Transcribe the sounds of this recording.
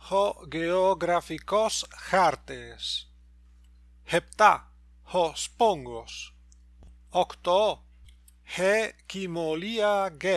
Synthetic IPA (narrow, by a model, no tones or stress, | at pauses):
hoɡeoɡɾafikosxaɾt̪es | hept̪a | hospoŋɡos | okt̪o | hekimoliaɡe